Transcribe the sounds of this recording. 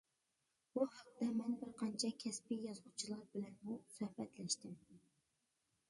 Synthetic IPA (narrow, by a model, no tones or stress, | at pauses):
b̥uhɑq̚d̪ɛmɛnbɪɾqʰɑnt͡ʃʰɛkʲʰɛspijɑzʊt͡ʃʰilˠɑɾbɪlɛnmusøhbɛt̪lɛʃt̪ɪm